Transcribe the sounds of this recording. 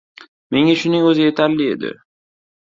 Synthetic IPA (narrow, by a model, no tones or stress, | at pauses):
me̞ŋaʃʊnɪŋɵzɪje̞t̪ʰaɾlɪe̞̰d̪ɪ̰